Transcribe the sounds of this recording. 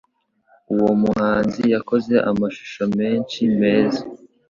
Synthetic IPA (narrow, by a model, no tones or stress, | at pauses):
uwo̞muhaːnzijako̞ze̞ʔamaʃu̥ʃo̞me̞ːnʃime̞ːza